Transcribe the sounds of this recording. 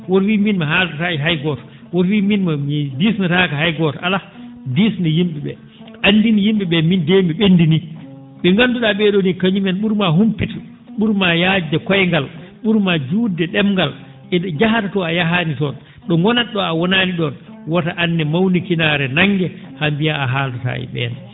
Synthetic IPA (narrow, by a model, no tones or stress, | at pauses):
wɔtwiminmaɦaltataiɦajɡɔtɔ̥ | wɔtwiminmamidisnatakahajɡɔtɔʔala | disndɛjimɓɛɓɛ̰ | ʔanːdinijimɓɛɓɛmindemiɓendini | ɓɛŋɡanduɗaɓɛɗɔnikaɲumɛnɓuɾmaɦumpitu | ɓuɾmajad͡ʒɛkɔjŋɡalɓuɾmad͡ʒuːdɛɗɛmɡal | ɛd͡ʒaɦatatɔajaɦaːnitɔn | ɗɔŋɡɔnaɗɔawɔnaːniɗɔnwataʔanːɛmawnikinaːɾɛnaŋɡɛ | hambijaaɦaltata̰ːḭɓɛ̰n